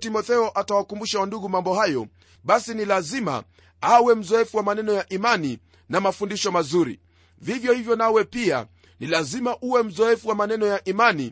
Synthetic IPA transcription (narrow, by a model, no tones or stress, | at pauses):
timɔθɛɔʔatawakumbuʃawanduɣumambɔhajɔ | ɓasinilazima̰ | awɛm̩zɔɛfuwamanɛnɔjaʔimani | namafundiʃɔmazuɾḭ | vivjɔhivjɔnawɛpia̰ | nilazimaʔuwɛm̩zɔɛfuwamanɛnɔjaʔimani